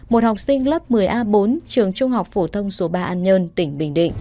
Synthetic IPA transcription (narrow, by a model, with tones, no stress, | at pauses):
mo˨˩t̚ha˨˩wk͡p̚sï˧ŋ̟lə˦˥p̚mɨ˨˩əjʔaː˧ɓo˨˦nt͡ɕɨ˨˩əŋt͡ɕʊ˧ŋ͡mɦa˨˩wk͡p̚fo˧˩t̪ʰə˧wŋ͡mso˨˦ɓaː˧ʔaː˧nɲəː˧nt̪ï˧˩ŋ̟ɓḭ̈˧˩ŋ̟ɗḭ˧˨ŋŋ